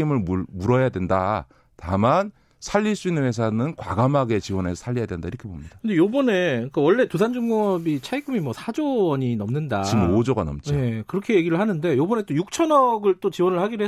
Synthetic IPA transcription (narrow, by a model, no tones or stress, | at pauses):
imɯɭmumuɾʌjadwe̞nda̰ | taman | sʰaʎːiɭs͈uinːɯnɦes̬ʰanɯnkwaɡamaɡe̞t͡ɕiwʌne̞sʰʌsʰaʎːijadwendaiɾʌkʰe̞bomɲidakɯndejobʌne̞k͈awʌɭːe̞tus̬ʰand͡ʑuŋʌbit͡ɕʰaiɡʰumimwʌsʰad͡ʑoʌɲinʌmnɯndat͡ɕimod͡ʑʌɡanʌ̰mt͡ɕ͈iekɯɾʌkʰe̞je̞ɡiɾɯɭhanɯnde̞jobʌne̞t͈ojuk̚t͡ɕʰʌnʌɡɯɭt͈ot͡ɕiwʌnɯɭhaɡiɾɯɦe